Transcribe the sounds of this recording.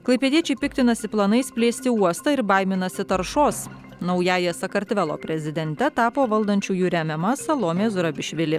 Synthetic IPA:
klˠɐɪpʲɛd̪ʲiɛt͡ʃʲɛɪpʲɪkt̪ʲɪnɐsʲɪplˠɐnɐɪsʲpʲlʲeːsʲt̪ʲɪuɔst̪ɐɪɾbɐɪmʲɪnɐsʲɪt̪ɐɾʃoːs | nɒʊjæːjɛsɐkɐɾʲt̪ʲʋʲɛlˠo̰ːpʲɾʲɛzʲɪd̪ʲɛnʲt̪ʲɛt̪ɑːpoːʋɐlˠd̪ɐnʲt͡ʃʲuːjuːɾʲæmʲɛmɐsɐlˠoːmʲeːzʊɾɐbʲɪʃʲʋʲɪlʲɪ

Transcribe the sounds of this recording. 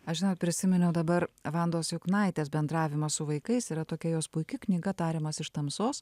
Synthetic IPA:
ɐʃʒʲɪnoːt̪̚pʲɾʲɪsʲɪmʲɛnʲɛʊd̪ɐbɐɾʋɐnd̪oːsjʊknɐɪt̪ʲeːsbʲɛnd̪ɾɑːʋʲɪmɐssʊʋɐɪkɐɪsiːɾɐt̪oːkʲɛjoːspʊɪkʲɪknʲiːɡɐt̪ɑːɾʲeːmɐsɪʃt̪ɐmsoːs

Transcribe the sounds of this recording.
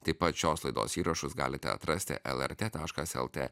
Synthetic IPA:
t̪ɐɪpɐt̪ʃʲoːslˠɐɪd̪o̰ːsiːɾɐʃʊsɡɑ̰ːlʲɪt̪ʲɛ̰ɐ̰t̪ɾɐsʲt̪ʲɪ̰ʔɛ̰lˠɛ̰ɾʲt̪ʲeːt̪ɑːʃkɐsɛ̰lˠt̪ʲḛː

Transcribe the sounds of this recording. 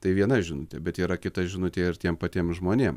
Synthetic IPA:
t̪ɐɪʋʲiɛnɐʒʲɪnʊtʲɛbʲɛt̪iːɾɐkʲɪt̪ɐʒʲɪnʊt̪ʲeːjɪɾt̪ʲiɛmpɐt̪ʲiːmʒmoːnʲeːm

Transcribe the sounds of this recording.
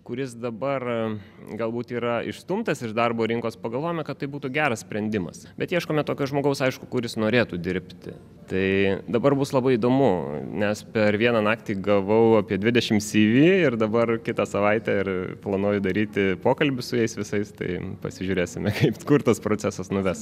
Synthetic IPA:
kʊɾʲɪsd̪ɐbɐr | ɡɐlˠbuːt̪iːɾɐɪ̰ʃst̪umt̪ɐsɪʃd̪ɐrboːɾʲɪŋkoːspɐɡɐlˠʋoːjɪmʲɛkɐt̪tːɐɪbuːt̪uːɡʲæːɾɐssʲpʲɾʲɛnʲd̪ʲɪmɐ̰sbʲɛt̪jiɛʃkoːmʲɛt̪oːkʲoʒmoːɡɐʊsɐɪʃkʊkʊɾʲɪsnoːɾʲeːt̪uːd̪ʲɪɾʲpʲt̪ʲɪ̰ | t̪ɐɪd̪ɐbɐrbʊslˠɐbɐɪid̪oːmʊnʲɛspʲɛɾʋʲiɛnɑnɑːkt̪ʲiːɡɐlˠʋɐʊɐpʲiɛd̪ʲʋʲɪd̪ʲɛʃʲɪmsʲiːʋʲiːɪrd̪ɐbɐrkʲɪt̪ɑsɐʋɐɪt̪ʲæːɪrplˠɐnoːjʊd̪ɐɾʲiːt̪ʲɪpoːkɐlʲbʲʊsʊjɛɪsʋʲɪsɐɪst̪ɐ̰ɪpɐ̰sʲɪʒʲuːɾʲeːsʲɪmʲɛkɐɪpskʊɾt̪ɐspɾoːt͡sʲæsɐsnʊʋʲɛs

